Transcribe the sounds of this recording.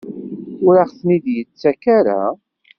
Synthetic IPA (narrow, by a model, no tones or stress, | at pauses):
ʊɾaʁθnid̪jət͡sːækaɾa̰